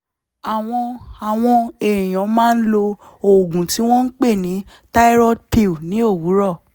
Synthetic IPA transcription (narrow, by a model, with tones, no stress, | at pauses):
a˨w̃ɔ̃˧a˨w̃ɔ̃˧e˨ĩ˨j̃ɔ̃˨˦mãː˦˧n̩˦lo˧ | o˨ɡũ˨ti˨˦w̃ɔ̃˦n̩˦k͡pe˦˨nĩ˨˦ | ta˦i˦ɾɔ˦pi˧u˨nĩ˨˦o˦˨wu˨˦ɾɔ˦˨